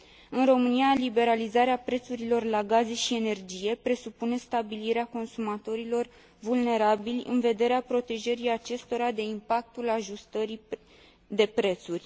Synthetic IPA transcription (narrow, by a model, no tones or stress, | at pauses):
ɨnro̞mɨnijalibe̞ɾalizaɾeapɾe̞t̪suɾilo̞rlaɡaze̞ʃie̞ne̞rd͡ʒije̞pɾe̞supune̞st̪abiliɾeako̞nsumat̪o̞ɾilo̞r | vulne̞ɾabilʲɨ̰nve̞d̪e̞ɾeapɾo̞t̪e̞ʒeɾiat͡ʃe̞st̪o̞ɾad̪e̞impak̚t̪ulaʒust̪əɾi | d̪e̞pɾe̞t̪surʲ